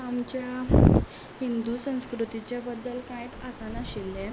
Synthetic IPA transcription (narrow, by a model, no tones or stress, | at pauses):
amt͡ɕja | hind̪usə̃w̃skɾut̪it͡ɕjabəd̪ːəlkajt̪asanaɕilːɛ̃